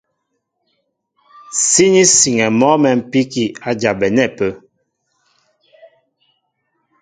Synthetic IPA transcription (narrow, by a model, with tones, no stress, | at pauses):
si˦ni˦si˨ŋɛ˨mɔ˦mɛ˨m̩˨pi˦ki˨a˨d͡ʒa˨bɛ˨nɛ˦˨pə˦